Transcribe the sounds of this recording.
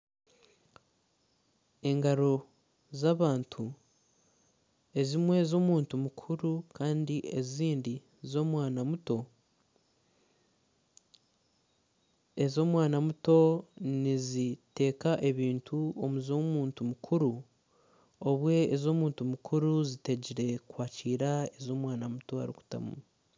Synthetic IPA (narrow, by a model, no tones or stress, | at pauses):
e̞ŋɡaɾo̞ | zaːβaːntʰu | e̞zimwe̞ːzo̞ːmuːntumukʰuɾukʰaːndie̞ziːndi | zo̞ːmwaːnamuto̞ | e̞zo̞ːmwaːnamuto̞nizite̞ːkaʔe̞βiːntʰuomuzoːmuːntumukʰuɾu | oβwe̞ːzo̞ːmuːntumukʰuɾuzite̞ɟiɾe̞kwaːciːɾae̞zo̞ːmwaːnamuto̞a̰ɾḭku̥ta̰mṵ